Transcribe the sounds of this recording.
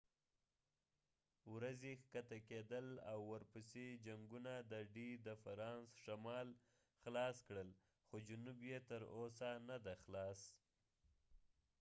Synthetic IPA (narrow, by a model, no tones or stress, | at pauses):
wɾazexkat̪aked̪əla̰wːəɾpəsed͡ʒaŋɡunad̪əɖid̪əfaɾɑnsʃamɑl | xlɑskɽəl | xod͡ʒʊnubjet̪əɾosanad̪axlɑs